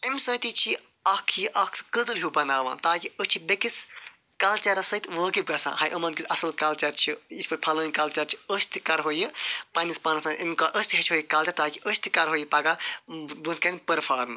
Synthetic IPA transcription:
emʲsət̪it͡ʃʰi | ɐkʰjiʔɐkʰsɨ̥kəd̪ɨlɦubɐnaːʋã̰ːt̪aːkiəst͡ʃʰibekis | kaːlt͡ʃɐɾɐsɐt̪ʋəːkib̚ɡɐsã̰ːɦɐjʔɐmɐnkʲut̪ɐsɐlkaːlt͡ʃɐɾt͡ʃʰiit̪ʰʲpɐɾʲpʰɐləːinʲkɐːlt͡ʃɐɾt͡ʃʰi̥əst̪ikɐɾɦojipɐnispɐːnɐpʰnɐnʔemkaʔəsʲt̪iɦɐt͡ʃʰɦoːjikaːlt͡ʃɐɾt̪aːkiʔəst̪ikɐɾɦoːjipɐɡabunkɐnʲpəɾfʰaːɾn

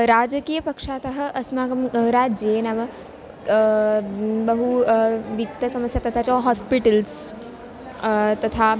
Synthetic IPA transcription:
ɾaːd͡ʒəkiːjɐpɐkʂaːt̪ɐɦɐ̆ʔɐsmaːɡɐmɾaːd͡ʒjenaːʋɐ | bɐɦuʋit̪ːɐsɐməsjat̪ɐt̪ʰat͡ʃɔɦɔːspiʈəls | t̪ɐt̪ʰaː

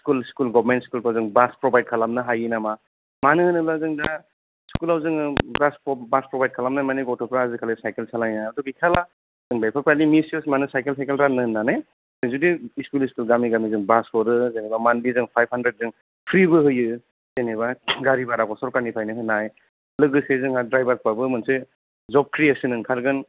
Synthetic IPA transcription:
skulskulɡɔbmentskulpawzɯŋbaspɾɔbajd̚kʰalamnɯɦajinama | manɯhɯnɯbazɯŋda | skulawzɯŋɯbasbaspɾɔbajd̚kʰalamnamaniɡɔtʰɔpʰɾazɯkʰalesajkelsalajnajadɔɡikʰala | z̥ɯŋbajpʰaɾpalimisjusmanɯsajkelsʰajkelɾanɯɯnːanaj | zɯŋzudiiskuliskɯlɡamiɡamizɯŋbasɔɾɯzenebamandizɯŋpʰajb̚handɾed̚zɯŋ | pʰɾibɯɦɯjɯ | zeneβaɡaɾibaɾakʰɔsɔɾkaɾnipʰajnɯɦɯnːaj | lɯɡɯsezɯŋadɾajbaɾkpabɯmɯnsɯ | zɔb̚kɾiesɯnɯŋkʰaɾɡɯn

